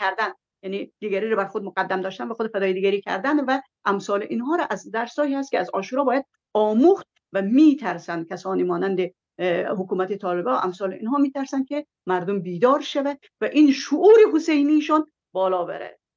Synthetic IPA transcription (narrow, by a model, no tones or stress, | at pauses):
kʰæɾd̪æn | jænid̪̥iɡæɾiːɾɔbæɾxod̪̚moɡæd̪ːæmd̪ɒːʃt̪ænvæxod̪fæd̪ɒːjed̪iːɡæɾiːkʰæ̰ɾd̪ænvæ | ʔæmsɒːleʔinɦɒːɾɒʔæzd̪æɾsɒːhiːhæs̬t̪kʰʲeæzɒːʃuːɾɒːbɒːjæd̪̥̚ | ɒːmuxt̪̚ | væmiːt̪ʰæɾsænd̪̚kʲʰæsɒːniːmɒːnænd̪e | hokuːmæt̪et̪ʰɒːlebɒːʔæmsɒːleinhɒːmiːt̪ʰæɾsænd̪kʲʰe | mæɾd̪ombiːd̪ɒːɾʃævæd̪ | væʔinʃoʔuːɾeɦosejniʃɑn | bɒːlɒːbḛɾæ̰d̪̥